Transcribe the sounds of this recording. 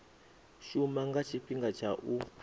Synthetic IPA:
ʃumaŋɡat͡ʃʰiɸiŋɡat͡ʃʰaʔu

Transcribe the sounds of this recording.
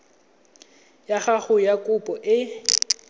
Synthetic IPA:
jaχaɣʊjakʼʊpʼɔʔɪ

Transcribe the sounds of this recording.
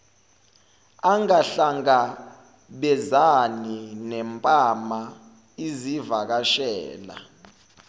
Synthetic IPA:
aŋaɬaŋɡa | ɓɛzaninɛmpʼama | izivak̬aʃɛ̰ːla̰

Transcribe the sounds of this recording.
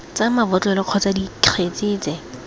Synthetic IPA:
t͡samabɔt͡ɬʼɔlɪq͡χʰɔt͡sadikχʰet͡sɪːt͡sɛ

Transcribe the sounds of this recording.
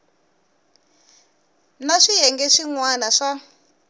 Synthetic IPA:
naʂiɦɛŋɡɛʂiŋwanaʂa

